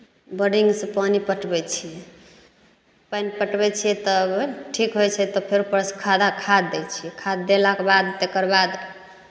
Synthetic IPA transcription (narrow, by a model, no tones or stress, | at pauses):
bəɖiŋɡsẽpanipəʈbɛt͡ʃʰijɛ | panipəʈbɛt͡ʃʰijɛt̪ɔbʈʰikɦojt͡ʃʰɛt̪ɔpʰeɾupəɾskʰad̪akʰad̪ːɛt͡ʃʰijɛkʰad̪ːelakebad̪t̪ekəɾbad̪